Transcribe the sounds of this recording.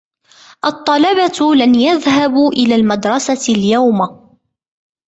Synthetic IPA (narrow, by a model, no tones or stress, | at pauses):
ʔɑt̪ˤːɑlɑbat̪lanjaðɦabʔɪlaːlmad̪ɾˤɑsaljawma